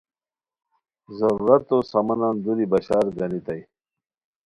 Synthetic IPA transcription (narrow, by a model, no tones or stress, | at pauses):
zɐɾuɾɐt̪ːosɐmɐnand̪uɾibɐɕaːɾɡɐnit̪aj